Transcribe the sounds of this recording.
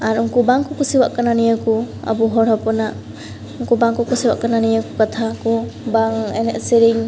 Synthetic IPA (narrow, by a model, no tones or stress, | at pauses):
aɾuŋkubaŋkʰukusiwa̰ʔkananijakua̰buɦɔɾɔpɔna | uŋkubaŋkɔkusiba̰ʔkananijakukat̪ʰakubaŋeneʔsiɾiŋ